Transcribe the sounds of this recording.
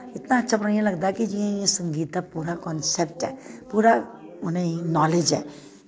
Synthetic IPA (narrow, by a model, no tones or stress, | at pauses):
ɪt̪naɐtːʃʰapɾijẽlɐɡd̪aɦɛkid͡ʒiẽjẽsə̃ŋɡiːt̪apuːɾakɔːnsep̚ʈɦɛ̰ːpuːɾaʊnẽinɔːled͡ʒɦɛ̰ː